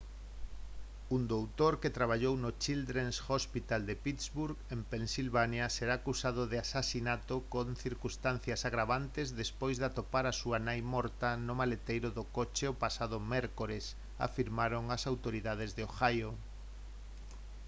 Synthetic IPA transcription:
und̪owt̪oɾket̪ɾaβ̞aʎownʊt͡ʃild̪ɾensxospit̪ald̪epit̪zβuɾɣempensilβanjaseɾaːkusaðʊðɪasasinat̪okonθiɾkust̪an̟θjasaɣɾaβant̪ezðespojzðat̪opaɾasuanajmɔɾt̪ɐnʊmalet̪ejɾʊðʊkot͡ʃeopasaðʊmɛɾkoɾes | a̰fiɾmaɾoŋasawt̪oɾiðað̞ezðeoxajo

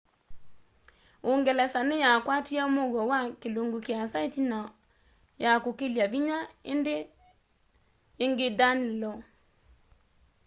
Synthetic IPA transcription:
oŋɡɛlɛsanejakwatiamoɣwɔwakeloŋɡokjasaetina | jakokeljaβiɲaḛnde | ŋɡedanilɔ

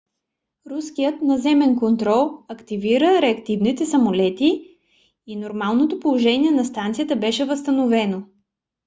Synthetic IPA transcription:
ɾuskijət̪nɐzɛmɛnkont̪ɾɔlˠɐkt̪iviɾəɾɛɐkt̪ivnit̪ɛsɐmolɛt̪iː | noɾmalˠnot̪opolˠoʒɛniɛnɐst̪ant̪sijət̪əbɛʃɛvəst̪ənovɛno

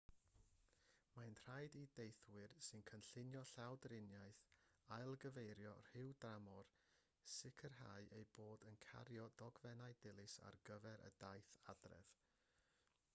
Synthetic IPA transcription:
manr̥ajdidejθwɨrsɨnkʰənɬɪnjɔɬawdrɪnjajθajlˠɡəvejɾjɔr̥ɪwdramɔr | sɪkʰərɦaɨʔejboːdənkʰa̰ɾjɔdɔɡvɛnajdɪlˠɨsa̰rɡəvɛɾʔə̰dajθadrɛ̰ð̥

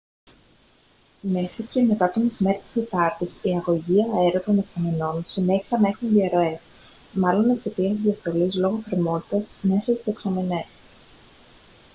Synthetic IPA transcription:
me̞xɾiscemek̪ɐt̪ont̪izmeɾt̪i̥set̪ɐɾt̪isiɐɣo̞ʝiɐeɾot̪o̞ne̞ksɐmeno̞nsine̞çi̥sɐnɐe̞xunðiɐɾo̞e̞s | mɐlo̞nekse̞t̪iɐst̪izðiɐst̪o̞lizlo̞ɣo̞θɾimo̞t̪i̥t̪ɐzme̞sɐst̪i̥se̞ksɐmene̞s

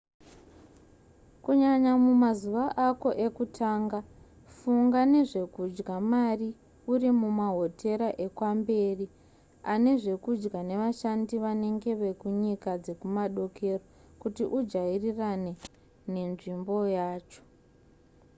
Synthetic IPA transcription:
kuɲaɲamumazuʋaʔako̞ʔe̞kutʰaːŋɡa | fuŋɡane̞ʐe̞kud͡ʒɡamari | urimumaɦo̞tʰe̞ɾaʔe̞kwambe̞ːri | ane̞ʐe̞kud͡ʒɡane̞ʋaʃandiʋane̞ŋɡe̞ʋe̞kuɲikad͡ze̞kumaɗo̞kʰe̞ro | kutiʔud͡ʒairirane̞ | ne̞nʐimbo̞jaːt͡ʃo̞̥

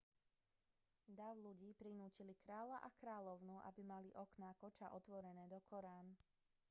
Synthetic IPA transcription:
d̪aʊluɟiːpɾinuːcilikɾaːlaʔakɾaːʎɔʊnuʔa̰bimaliʔɔknakɔt͡ʃaʔɔt̪ʋɔɾɛnɛːd̪ɔkʰɔɾaːn

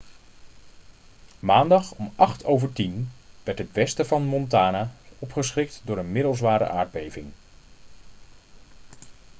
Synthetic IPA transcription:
maːndɑχɔmɑχtʰowvəɹtinʋɛɹtɦətʋɛstəvɑnmɔntaːnaːɔpχəsχɪk̚tdʊːɹənmɪdəlˠzʋaːɾə̰ʔa̰ːɹd̚bejvɪŋ

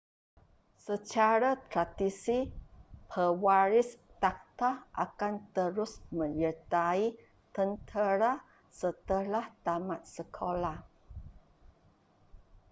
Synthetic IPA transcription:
sət͡ʃaɾat̪ɾad̪isipʰəwaɾɪst̪ak̚t̪aʔa̰kant̪əɾʊsmə̃ɲərt̪ai | t̪ənt̪ʰəɾa | sət̪əlaht̪amat̪̚səkʰola

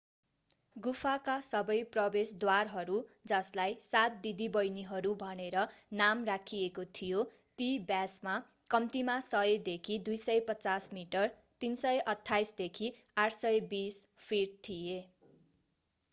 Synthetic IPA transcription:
ɡupʰakasʌbʌjprʌbesd̪warɦʌɾud͡zʌslajsat̪̚d̪id̪ibʌjniɦʌɾubʱʌneɾʌnamrakʰiekot̪ʰijo | t̪ibjasma | kʌmt̪imasʌed̪ekʰid̪ujsʌjpʌt͡sasmiʈʌr | t̪insʌjʔʌt̪ʰːajsd̪ekʰi | aʈʰsʌbispʰirʈ̚t̪ʰije

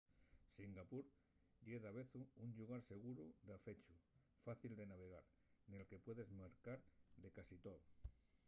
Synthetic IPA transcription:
siŋɡapuɾ | ʎeðaβe̞θuuɲʎuɣ̞aɾse̞ɣ̞uɾuðafe̞t͡ʃu | faθild̪e̞naβ̞e̞ɣ̞aɾ | ne̞lke̞pwe̞ðe̞zmaɾkaɾðe̞kasit̪oð

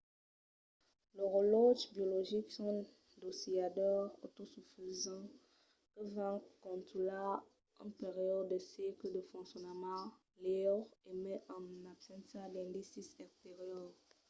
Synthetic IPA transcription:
ləʁoloʒbjoloʒiksɔ̃ | d̪osiadœʁot̪osufizɑ̃ | kəvãkkɔ̃nt̪ula | ɑ̃peʁijɔdd̪əsiklədəfɔ̃ŋksjɔnmɑ̃ | lɛʁemɛʔɑ̃nabsɛ̃nsad̪ɛ̃nd̪isisɛkt̪eʁjɔʁ

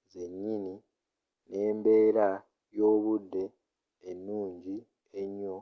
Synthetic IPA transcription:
ze̞ɲːini | ne̞ːmbe̞ːɾa | jo̞ːβudːe̞ː | nːuːɲɟi | eɲːo̞

